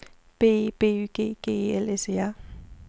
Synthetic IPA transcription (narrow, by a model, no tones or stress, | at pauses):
pepeyɡḛkeɛlɛsɪa